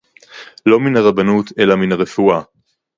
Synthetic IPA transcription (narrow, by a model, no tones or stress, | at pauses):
lo̞minaʁabanut̪ʰe̞laminaʁefua